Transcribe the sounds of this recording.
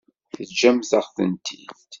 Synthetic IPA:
θəd͡ʒæmzəʁθə̰nt̪ʰḭðt̪

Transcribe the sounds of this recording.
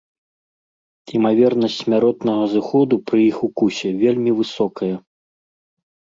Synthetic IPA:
imavʲɛrnɐsʲtʲsʲmʲaɾɔt̪nɐɣɐzɨxɔd̪upɾɨjixukusʲɛvʲelʲmʲivɨsɔkɐjɐ

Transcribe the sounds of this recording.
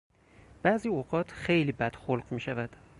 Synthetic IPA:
b̥æːziːoɢɒːt̪ʰxejliːbæd̪̥xolɢmiːʃævæd̪̥

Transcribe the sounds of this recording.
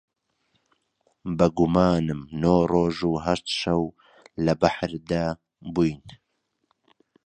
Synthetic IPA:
bɐɡumaːnɨmnoːroːʒuːɦɐʃt̪ʃɐw | lɐbaħɾd̪aː | bujn

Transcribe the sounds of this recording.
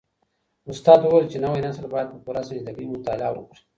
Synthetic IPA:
ʊst̪ɑd̪uwalt͡ʃenawenaslbajad̪̚pəpuɾasĩzd̪aɡimʊt̪ala̰wʊ̰kɾi̥

